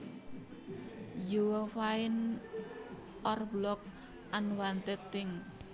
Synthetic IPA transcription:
juwəfaɪn | ʔɔrblɔk̚ | ʔanwant̪ɛt̪ːɪŋs

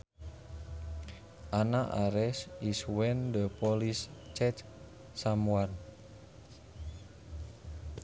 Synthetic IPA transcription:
ʔanaʔaɾɛsiswɛndəpɔlist͡ʃɛt̪ | samuan

